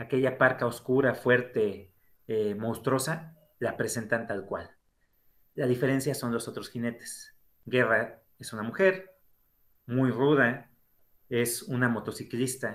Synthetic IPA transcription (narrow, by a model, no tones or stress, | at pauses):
ake̞ʝapaɾkao̞skuɾafwe̞ɾt̪e̞ | emowst̪ɾo̞sa | lapɾe̞se̞nt̪ant̪alkwalː | aðife̞ɾe̞nsjaso̞nlo̞so̞t̪ɾo̞sxine̞t̪e̥s | ɡe̞ra | esunamuxe̞ɾ | mujruða | e̞sunamo̞t̪o̞siklist̪a